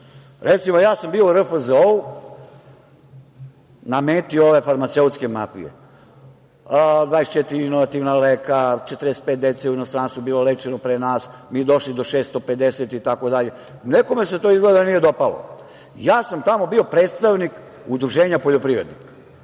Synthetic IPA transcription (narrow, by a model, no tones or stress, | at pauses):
ɾʔet̪simojaːsambiːoɾəfəzou | nameːt̪iooʋe̞faɾmat̪seut̪ske̞mafḭjḛ | d̪vaːest͡ʃɛt̪iɾiinoʋat̪iʋnalekat͡ʃet̪ɾest̪̚pet̪̚d̪et̪seujenost̪ɾaːnst̪vobiːlolet͡ʃenopɾenaːsmiːd̪oʃlid̪o̞ʃeːst̪o̞pe̞d̪eset̪it̪ako̞d̪aʎe̞ | neko̞me̞set̪o̞izɡled̪anije̞d̪o̞palo̰ | jaːsamt̪amo̞bio̞pɾeːt̪st̪aʋnik | ud̪ɾuʒeːɲapoʎopɾiʋɾe̞d̪nikḁ